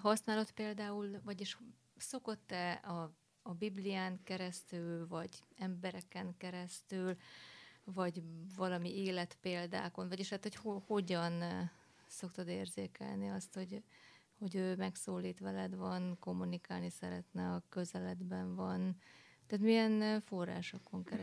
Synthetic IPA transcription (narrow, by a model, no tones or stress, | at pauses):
ɦɒsnaːlo̞t̪peːld̪aːulvɒɟeʃ | so̞ko̞t̪ːɛɒː | biblijaːŋkɛɾɛst̪ylvɒɟɛmbɛɾɛkɛŋkɛɾɛst̪yl | vɒɟvɒlɒmieːlɛt̪peːld̪a̰ːko̞nvɒɟiːʃɛːt̪ho̞choho̞ɟɒn | so̞kt̪od̪eːrzeːkɛ̰lniɒst̪ho̞ɟ | ho̞ɟøːmɛksoːliːt̪ʋɛlɛd̪vɒnko̞mːunikaːlnisɛɾɛ̰t̪nɛɒkø̞zɛlɛd̪bɛɱvɒnt̪ɛːt̪mijɛnfo̞rːa̰ːʃo̞koŋkɛɾ